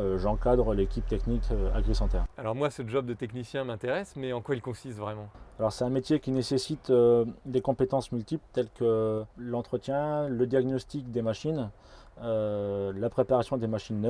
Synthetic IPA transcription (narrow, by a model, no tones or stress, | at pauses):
øʒɑ̃kad̪ʁəlekʲip̚t̪ɛknikʰøa̰ɡʁisɑ̃t̪ɛʁalɔʁmwasəʒɔb̚d̪ət̪ɛknisjɛ̃mɛ̃t̪eʁɛsmɛɑ̃kwailkɔ̃sist̪vʁɛmɑ̃alɔʁsɛt̪ɛ̃met̪jekʲinesesit̪ød̪ekɔ̃pet̪ɑ̃smylt̪iplt̪ɛlkəlɑ̃t̪χət̪jɛ̃ləd̪jaɡnɔst̪ik̚d̪emaʃin | ølapχepaʁasjɔ̃d̪emaʃinːœ